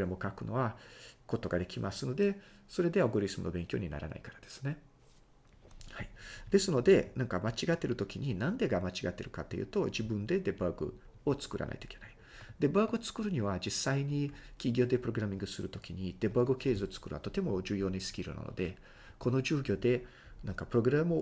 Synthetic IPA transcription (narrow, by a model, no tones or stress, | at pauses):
oɾemo̞kakɯ̟no̞̰βako̞t̪o̞ɡad̪e̞kʲimasɨno̞d̪e̞ | so̞ɾe̞d̪e̞aoɡoɾʲisɨmɯ̟no̞bẽ̞ŋkʲo̞ːɲina̰ɾa̰na̰ikaɾad̪̥e̞̥sɨ̥ne̞ | haid̪̥e̞sɨno̞d̪e̞nãŋkamat͡ɕiɡat̪ːe̞ɾɯ̟t̪o̞kʲiɲ̟inãnd̪e̞ɡamat͡ɕiɡat̪ːe̞ɾɯ̟kat̪ːe̞jɯ̟̰ːt̪o̞d͡ʑibɯ̟̃nd̪e̞d̪e̞baɡɯ̟̰ | o̞t͡sɨ̥kɯ̟ɾa̰na̰it̪oi̥kʰʲe̞nai | d̪̥e̞baːɡɯot͡sɨ̥kɯɾɯ̟ɲ̟iβad͡ʑisːaiɲ̟ikʲiɡʲo̞ːd̪e̞pɯɾo̞ɡɯ̟ɾamʲĩŋɡɯ̟sɨɾɯ̟t̪o̞kʲiɲ̟id̪̥e̞bɯaɡɯoke̞ːzɨot͡sɨ̥kɯ̟ɾɯ̟βa̰t̪o̞t̪e̞mo̞d͡ʑɨːjo̞ːnaisɨ̥kʲiɾɯ̟̰na̰no̞̰d̪e̞ | ko̞no̞ʑɨːɡʲo̞ːd̪e̞ | nãŋkapɯ̟ɾoɡɯ̟ɾamɯ